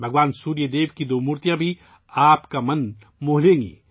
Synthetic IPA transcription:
bʱəɡʋaːnsuːɾjəd̪eːʋkid̪oːmuːɾt̪ijãbʱi | aːpkamɐn | moːɦlẽŋḭː

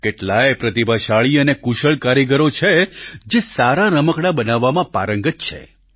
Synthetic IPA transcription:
keʈlaepɾət̪ibʱaʃaɭiənekuʃəɭkaɾiɡəɾot͡ʃʰed͡ʒesaɾaɾəməkɽabənaʋːamãpaɾəŋɡətt͡ʃʰḛ

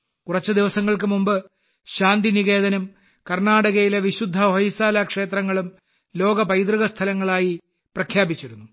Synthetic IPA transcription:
kurɐt͡ɕːɐd̪iʋɐsɐŋːɐɭk̬ɨmumbɨ | ɕaːnd̪iniɣe̞ːðɐnɐm | kɐrnaːɽɐɣɐjileʋiɕud̪ʱːɐɦojisaːlakʂe̞ːt̪rɐŋːɐɭum | lo̞ːɡɐpɐjd̪rɨɣɐst̪ʰɐlɐŋːɐɭaːji | prɐkʰjaːbit͡ɕːiɾunːu

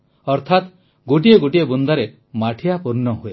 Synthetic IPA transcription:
ɔɾt̪ʰat̪ | ɡoʈ̬ieɡoʈiebund̪aɾe | maʈʰijapuɾnɔɦue

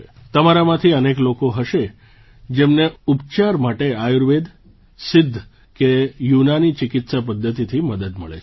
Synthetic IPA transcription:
t̪əmaɾamãt̪ʰiəneklokoɦəʃe | d͡ʒemneupt͡ʃaɾmaʈeajuɾʋed̪ | sɪd̪ʱː | kejunanit͡ʃɪkɪt̪sapəd̪ʱːət̪it̪ʰiməd̪əd̪məɭḛ

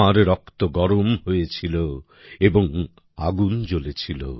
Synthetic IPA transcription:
aɾɾɔkt̪oɡɔɾomɦojet͡ɕʰilo | eboŋ | aɡund͡ʑolet͡ɕʰilo̰

